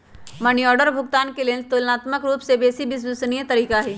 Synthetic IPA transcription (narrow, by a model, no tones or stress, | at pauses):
mɐniɔːɾɖəɾbʱʊɡt̪aːnkeliənt̪oːlnaːt̪məkɾuːpsebeːsibɪs̬bʊsnijət̪ɐɾiːkaɦɛː